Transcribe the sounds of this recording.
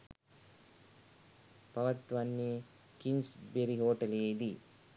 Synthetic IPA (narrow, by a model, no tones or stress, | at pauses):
pɐʋɐt̪ːʋɐnːi | kinsbeɾiɦoːʈɐleid̪i